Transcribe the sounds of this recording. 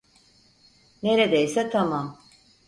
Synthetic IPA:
ne̞ɾed̪ejsɛt̪ʰamam

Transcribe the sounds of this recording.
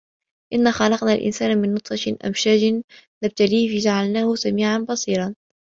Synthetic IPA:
ʔɪnːaxɑlɑqnalʔɪ̰nsaːnmɪnːʊt̪ˤfɑʃʔa̰mʃaːd͡ʒɪnlab̚t̪aliːfid͡ʒaʕalnaːhʊsamiːʕanbɑsˤiːɾɑn

